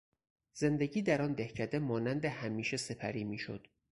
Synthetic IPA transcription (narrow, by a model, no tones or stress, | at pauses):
z̥e̞nd̪e̞ɟiːd̪æɾɒːnd̪ehcʰæd̪emɒːnænd̪ehæmiːʃe̞se̞pʰæɾiːmiːʃo̰d̪̥